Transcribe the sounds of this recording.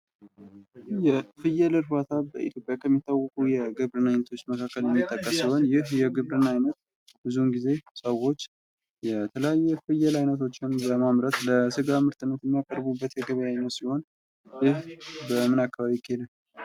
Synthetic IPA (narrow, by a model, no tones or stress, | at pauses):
jɛfɨjɛlɨɾfat̪ʰabə̰ʔḭt̪ʰjo̞pʼjakʰəmːit̪ʰːawːəkʼujɛɡɨβɾɨnajnət̪ʰo̞t͡ʃːməkʰakːəljɛmːit̪ʼːəkʼːəsiho̞njɪhjɛɡɨβɾɨnajnət̪ | bɨzunɡize̞səwo̞t͡ʃː | jɛt̪ʰələjajːɛfɨjɛlajnət̪ʰo̞t͡ʃːɪnbəmamɾət̪ləsɨɡamɨɾt̪ʰɨnət̪jɛmːijakʼəɾbubːət̪jɛɡəβəjajnət̪siho̞n | jɪhbəmɨnakːaβaβikʰːielə